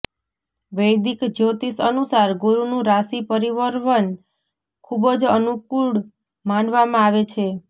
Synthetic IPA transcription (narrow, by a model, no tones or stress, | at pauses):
ʋəjd̪ikd͡ʒot̪isənusaɾɡoɾunũɾasipəɾiʋəɾʋən | kʰubəd͡ʒənukuɽ | manʋamãaʋet͡ʃʰe